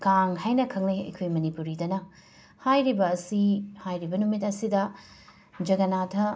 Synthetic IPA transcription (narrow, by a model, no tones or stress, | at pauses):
kaŋhajnɐkʰɐŋneɐ̰jkʰojmɐnipuɾidɐnɐ | hajɾibɐːsihajɾibɐnumit̚ɐsidɐ | d͡ʒɐɡɐnatʰɐ